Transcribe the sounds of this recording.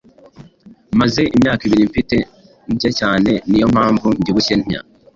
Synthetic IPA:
maze̞ʔimɲaːkiβiɾiɱfite̞ | ɲcecaːne̞nijo̞m̥haːɱvuɲɟiβucen̥ia̰

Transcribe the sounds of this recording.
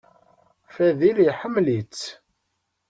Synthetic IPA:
fæðiliħəmːlit͡sː

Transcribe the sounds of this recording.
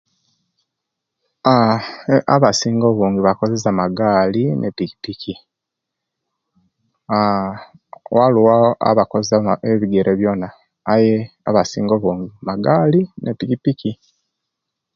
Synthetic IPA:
a | a̰βasiːŋɡoβuːŋɡiβako̞zezamaɡaːlinʔepiki̥pikʰi | a | waluwaa̰βakozeaeβiɡeɾʔeβjo̞naː | je | a̰βasḭːŋɡoβuːŋɡimaɡaːlinepikipiki

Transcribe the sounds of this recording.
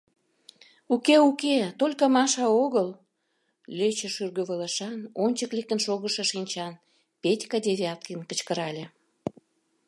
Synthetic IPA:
ukeuket̪olʲkɑmɑʃɑoɣəl | lʲøt͡ɕəʃyrɣøβələ̆ʃɑnonʲt͡ɕəklek̚t̪ənʃoɣəʃĕʃinʲt͡ɕɑn | petʲkɑd̪ʲeβʲeɑt̪kinkə̆t͡ɕkəɾɑlʲe

